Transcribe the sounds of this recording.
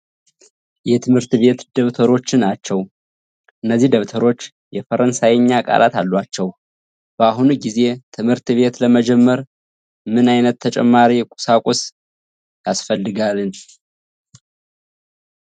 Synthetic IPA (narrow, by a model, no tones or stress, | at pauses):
jɛt̪ʰɨmhɨɾt̪βe̞t̪d̪əβt̪ʰəɾo̞t͡ʃːɪnːat͡ʃːɛw | ʔɨnːəzːihd̪əβt̪ʰəɾo̞t͡ʃː | jɛfəɾənsajɛɲːakʼa̰lʔa̰t̪a̰lːwat͡ʃːɛw | b̥əaɦunuɡize̞t̪ʰɨmhɨɾt̪βe̞t̪ləməd͡ʒɛmːəɾ | mɨnajnət̪ʰːət͡ʃʼɛ̰mːaɾikʼu̥sakʷʼos | jasfəlːɨɡalɨn